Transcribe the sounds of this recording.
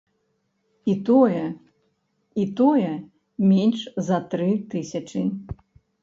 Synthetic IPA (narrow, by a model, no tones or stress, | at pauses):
it̪ɔjɛ | it̪ɔjɛ | mʲenʲʂzɐt̪ɾɨt̪ɨsʲɐt͡ʂɨ